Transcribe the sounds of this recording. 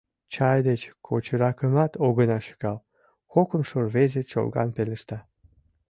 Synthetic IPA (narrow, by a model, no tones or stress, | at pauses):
t͡ɕɑjd̪et͡ɕkʰot͡ɕəɾɑkəmɑt̪oɣənɑʃə̥ɣɑl | kokəmʃorβezet͡ɕo̰lɣɑ̰npeləʃt̪ɑ